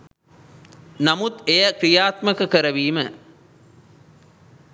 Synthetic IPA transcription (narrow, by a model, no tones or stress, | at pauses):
namut̪ejəkɾijaːt̪məkɐkəɾɐʋiːmə